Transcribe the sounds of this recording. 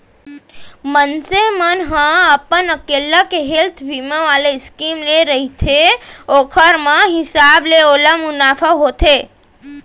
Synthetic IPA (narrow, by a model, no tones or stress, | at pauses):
mənsemənɦə̃əpənəkelːakeɦelt̪ʰbʱimə̃ʋaleskimleɾəɦit̪ʰeokʰəɾmãɦɪsableoləmʊnafʰaɦot̪ʰe